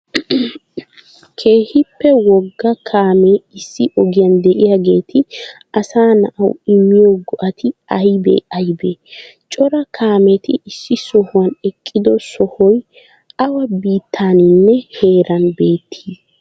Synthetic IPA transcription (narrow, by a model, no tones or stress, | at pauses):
kʰe̞ːhɪpːɛwɔɡːɐkʰaːmeɪsːɪʔɔɡɪjand̪ɛʔɪjaɡe̞ːt̪ʰɪ | ɐsaːnɐʔɐ̰wɪmːɪjoɡɔʔɐt̪ʰɪɐjbḛːɐjbet͡ʃʼɔɾɐkʰaːmɛt̪ɪɪsːɪsɔhʊwɐnɛkʼːɪd̪ɔsɔhɔj | ɐwɐbiːt̪ʰːaːnɪnːɛhe̞ːɾʔɐnbe̞ːt̪ʰːiːs